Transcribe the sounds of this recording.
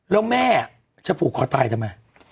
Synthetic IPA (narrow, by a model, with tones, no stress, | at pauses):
lɛː˦˥wmɛː˥˩a˨˩ | t͡ɕʰa˦˥pʰuː˨˩kʰɔː˧˦t̪aː˧jt̪ʰa˥˩ma˦˥˩